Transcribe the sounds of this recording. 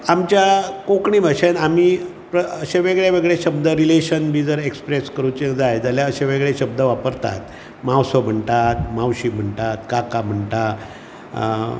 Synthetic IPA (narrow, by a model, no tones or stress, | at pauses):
amt͡ɕjakõkɳiːbʱaɕenamiː | pɾəəɕẽʋeɡɭjaʋeɡɭeɕəbd̪ʱəɾileɕənmiːd͡zəɾekspɾeskəɾut͡ɕed͡zajd͡zaljaəɕẽʋeɡɭeɕəb̚d̪ʱəʋapəɾt̪a̰t̪ | mawsom̤əɳt̪at̪mawɕiːm̤əɳt̪at̪kakam̤əɳt̪a